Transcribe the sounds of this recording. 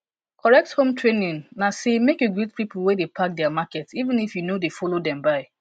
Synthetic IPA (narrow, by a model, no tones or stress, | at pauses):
kʰɔɹɛk̚thõmtʰɹenĩnnasemekeɡud̚pipl̩wedepʰak̚dɛamakɛtsivə̃nifjunodefɔlodɛ̃mbaɪ